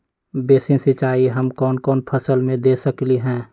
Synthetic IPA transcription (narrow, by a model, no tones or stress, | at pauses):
beːsɪ̃sɪt͡ʃaːiɦəmkɔːnkɔːnpʰəsəlmẽd̪eːsəkliɦɛ̃ː